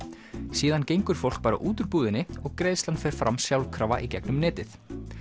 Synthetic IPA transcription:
siːðancejŋkʏɾ̥fowl̥k̚paːɾa̰ʔuːt̪ʏɾpuːðɪnɪɔɣkɾeːjðslanfɛɾ̥fɾʔamsjawlkʰɾaːva̰ʔicɛknʏmnɛːt̪ɪθ

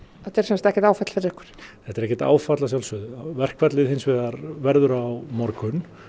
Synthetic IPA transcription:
θɛt̪ɛɾsɛnsḁt̪ɛhcɛt̪aːwfat̪l̥fɪɾɪɾɪhkʏ̥ɾ̥θɛt̪ɛɾɛhcɛt̪a̰ːwfat̪lasjawlsvʏðavɛr̥kvɛt̪lɪðhɪnsvɪːðaɾvɛɾðʏɾawmɔɾkʏn

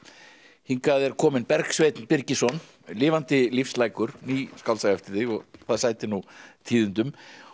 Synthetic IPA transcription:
hiŋkaðɛɾkʰɔːmɪnpɛɾksvejt̪npɪɾcɪsɔn | lɪːvant̪ɪlifslaːjkʏɾniːskawlsaɣɛft̪ɪɾ̥θɪɣɔɣθaðsaːjt̪ɪnut̪ʰiːðʏnt̪ʏm

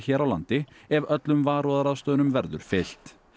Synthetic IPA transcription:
çɛːɾawlant̪ɪ | ɛvœt̪lʏmvaːɾɔːðaɾaðst̪œːnʏmvɛɾðʏ̰ɾ̥fɪl̥t̪

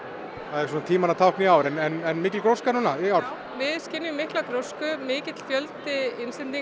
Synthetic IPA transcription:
θaðɛɾsɔːnat̪ʰiːmanat̪ʰawhkniaːwɾɛnɛnɛnmɪːc̬ɪlkɾowskaɾnuːnːaiawɾ̥ | vɪðscɪnːɪmːɪhklakɾowskʏmɪːcɪt̪l̥fjœlt̪ɪɪnst̪ɪnt̪i

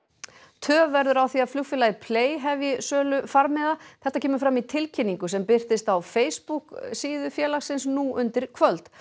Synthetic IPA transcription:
t̪ʰœːvɛɾðʏɾawθiafluxfɪlajɪpʰleːjɦɛvjɪsœːlʏfaɾmɛːðaθɛht̪ːacʰɛːmʏɾfɾamit̪ʰɪlcʰɪnːiŋkʏsɛmpɪr̥t̪ɪst̪awfeːjspuksiːðʏfjɛːlaxsɪnsnuʏnt̪ɪɾ̥kʰvœlt̪

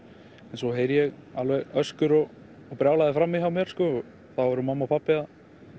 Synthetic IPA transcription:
ɛnsɔɦeːjɾjɛɣalvɛjɣœskʏɾɔɣː | pɾjaːwlaðɪfɾamːihawmjɛɾ̥skɔ | θawvɔɾʏmamːaɔpʰapːɪað

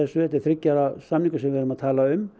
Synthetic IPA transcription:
ɛsʏɛt̪ːɛɾθɾɪcːaɾasamniŋkʏ̥sɛmvɪɛɾʏmaðt̪ʰaːlaʏm

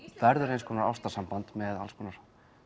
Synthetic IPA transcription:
vɛɾðʏɾejnskʰɔːnaɾa̰wst̪asampant̪mɛða̰lkʰɔːnaɾ̥

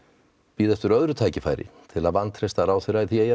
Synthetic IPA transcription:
piːðɛft̪ʏɾœðɾʏt̪ʰaːjcɪfa̰ːjɾɪ̰t̪ʰɪlaðvant̪ʰɾejst̪aɾaːwθvɪjɾaiθieja

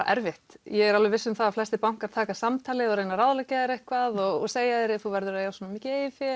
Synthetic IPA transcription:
ʔɛ̰ɾvɪht̪jɛɣɛɾalvɪɾvɪsːʏmθaðaflɛst̪ɪpawŋ̥kaɾ̥t̪ʰaːkasamt̪ʰaːlɪɔɾejnaɾawðlacaðɛɾɛhkvaðɔɣɔ̰seːjaðeːɾɪθuvɛɾðʏɾɾajaːwsɔːnamiːcɪeːjɪfɪ

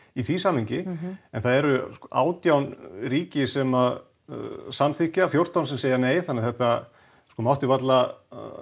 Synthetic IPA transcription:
iθvisamhiɲcɪɛnθaðɛɾʏa̰ːwt̪jawnriːcɪsɛma | samθihcːafjowr̥t̪ːawnsɛmseːjaneːjθanːaθɛht̪a | skɔːmawht̪ɪvat̪la

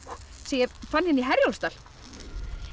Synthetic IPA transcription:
sɛjɛfanːjɪniɦɛɾjowlst̪al̥

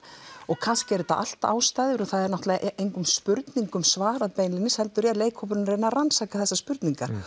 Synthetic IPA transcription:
ɔɣkʰanscɪɛɾʏt̪aʔa̰l̥t̪a̰ːwst̪ajðʏɾɔθaðɛɾnɔht̪lɛɣʔʔejŋkʏmspʏɾt̪niŋkʏmsvaːɾaðpejnlɪnɪshɛlt̪ʏɾjɛɾleːjkʰhowpʏɾnreːjnaransaːkaθɛsːaspʏɾt̪niŋkaɾ̥

